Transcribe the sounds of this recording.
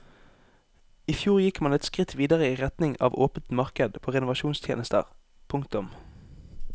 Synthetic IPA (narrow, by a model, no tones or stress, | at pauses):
iːfjuːʁjɪkmɑnɛt̪skʁɪt̪ʰʋiːd̪əʁəiːʁɛt̪nɪŋɑ̰ːʋoːpət̪mɑʁkəd̪pʰoːʁɛnʊʋɑʃuːnst̪ʰjḛːnəst̪ə̰ʁ | pʰʊŋkt̪ʊm